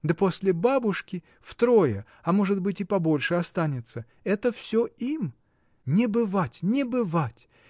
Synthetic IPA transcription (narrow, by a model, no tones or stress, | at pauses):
d̪əpo̞sʲlʲɪbabʊʂkʲɪ | ft̪ɾo̞jə | ɐmo̞ʐɨt̪bɨtʲɪpɐbo̞lʲʂɨɐst̪anʲɪt̪sə | ɛt̪əfsʲoim | nʲɪbɨvatʲnʲɪbɨvatʲ